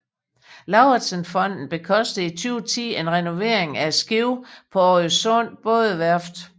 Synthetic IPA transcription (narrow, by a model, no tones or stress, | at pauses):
lɑ̈ʊɐ̥sənfɒ̽n̰d̥n̩b̥e̝kʰɒ̽sd̥ð̩ˠit͡sʰyːʊt͡sʰḭːe̝nʁɛno̝ʋe̝ɐ̰e̝ŋæ̥sɡ̥iʊpʰɒ̽ɒosɔ̽n̰b̥ɔ̽ːðˠəʋæɐfd̥